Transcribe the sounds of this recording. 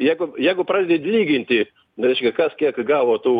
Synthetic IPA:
jɛɪɡʊjɛɪɡʊpɾɑːdʲed̪ʲeːt̪ʲlʲiːɡʲɪnʲt̪ʲɪ | ɾʲɛɪʃʲkʲɛkɐskʲiɛkɡɑːʋoːt̪uː

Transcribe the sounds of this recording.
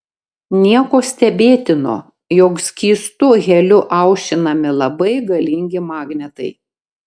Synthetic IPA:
nʲiɛkoːsʲt̪ʲɛbʲeːt̪ʲɪno̰ː | jɔksʲkʲiːst̪ʊɣʲɛlʲʊʔɐʊʃʲt͡ʃʲɪnɐmʲɪlˠɐbɐɪɡɐlʲɪŋʲɡʲɪmɑːɡnʲɛt̪ɐɪ

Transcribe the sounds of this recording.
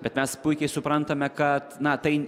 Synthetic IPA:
bʲɛt̪mʲɛspʊɪkʲɛɪsʊpɾɐnt̪ɐmʲɛkɐt̪nɐt̪ɐɪ

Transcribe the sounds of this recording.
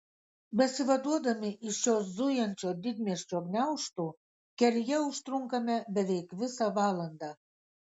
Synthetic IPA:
bĕsiβod̪od̪əmiʔiʃozujənt͡ɕod̪id̪̚mʲeʃt͡ɕoɡnʲɑuʃt̪u | kĕrjeuʃt̪ruŋkəmʲĕbɘ̆βekβɨsɑβɑlə̆nd̪ɑ

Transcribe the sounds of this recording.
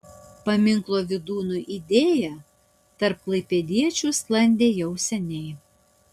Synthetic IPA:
pɐmʲɪŋklˠoːʋʲɪd̪uːnuʔid̪ʲeːjɛ | t̪ɐɾp̚klˠɐɪpʲɛd̪ʲiɛt͡ʃʲʊsklˠɐnʲd̪ʲeːjɛʊsʲɛnʲɛɪ

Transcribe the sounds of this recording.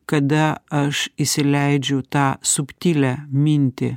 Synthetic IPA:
kɐd̪ɐɐʃisʲɪlʲɛɪd͡ʒʲʊt̪ɑːsʊpʲt̪ʲiːlʲɛmʲinʲt̪ʲɪ

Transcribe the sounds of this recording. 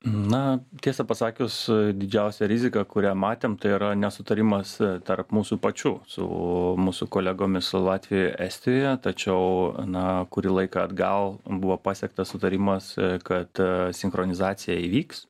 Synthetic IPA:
nɐt̪ʲiɛsɐpɐsɑːkʲʊsd̪ʲɪd͡ʒʲɛʊsʲɛɾʲɪzʲɪkɐkʊɾʲæːmɑːt̪ʲeːmt̪ɐɪiɾɐnʲɛsʊt̪ɐɾʲɪmɐst̪ɐrpmuːsuːpɐt͡ʃʲʊsʊ̰muːsʊkoːlʲæɡoːmʲɪssʊlˠɑːt̪ʲʋʲɪjoːjæːsʲt̪ʲɪjoːjɛt̪ɐt͡ʃʲɛʊnɐkʊɾʲiːlˠɐɪkɐɐːd̪ɡɐlˠbʊʋoːpɑːsʲɛk̚t̪ɐssʊt̪ɐɾʲɪmɐskɐt̪sʲɪŋxɾonʲɪzɑːt̪sʲɪjæiʋʲiːks

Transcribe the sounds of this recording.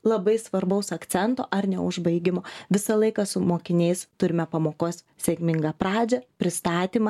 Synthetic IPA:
lˠɐbɐɪsʋɐɾbɐʊsɐkt̪sʲɛnt̪o̰ːʔɐrnʲɛ̰ʊʒbɐɪɡʲɪmoːʋʲɪsɐlˠɐɪkɐsʊmoːkʲɪnʲɛɪst̪ʊɾʲɪmʲɛpɐmoːkoːs | sʲekʲmʲɪŋɡɑːpɾɑːd͡ʒʲɛpʲɾʲɪst̪ɑːt̪ʲiːmɐ

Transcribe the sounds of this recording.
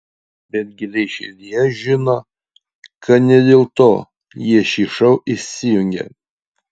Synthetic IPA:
bʲɛd̪̚ʲɡʲɪlʲɛɪʃʲɛlʲijɛʒʲɪno | kɐt̪nʲɛd̪ʲeːlˠt̪oː | jiɛʃʲiːʃɐʊʔɪsʲɪjʊŋʲɡʲḛ

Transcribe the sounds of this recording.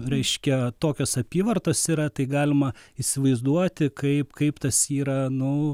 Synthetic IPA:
ɾʲɛɪʃʲkʲɛt̪oːkʲoːsɐpʲiːʋɐrt̪oːsiːɾɐt̪ɐɪɡɑːlʲɪmɐisʲɪʋɐɪzd̪uɔt̪ʲɪkɐɪpkɐɪpt̪ɐsiːɾɐnʊ

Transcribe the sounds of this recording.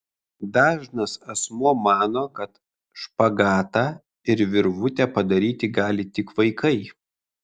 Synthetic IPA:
d̪ɑːʒnɐsɐsmuɔmɑːnoːkɐt̪ | ʃpɐɡɑːt̪ɑː | ɪɾʋʲɪɾʋʊt̪ʲɛpɐd̪ɐɾʲiːt̪ʲɪɡɑːlʲɪt̪ʲɪkʋɐɪkʰɐɪ

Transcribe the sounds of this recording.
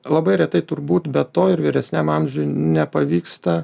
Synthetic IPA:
lˠɐbɐɪɾʲɛt̪ɐɪt̪ʊrbuːt̪bʲɛt̪oːɪɾʋʲiːɾʲɛsʲnʲæmɑmʲʒʲʊjnʲɛpɐʋʲiːkst̪ɐ

